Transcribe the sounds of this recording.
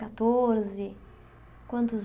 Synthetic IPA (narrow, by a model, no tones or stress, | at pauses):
kat̪oɾzɪ | kwɐ̃nt̪ʊz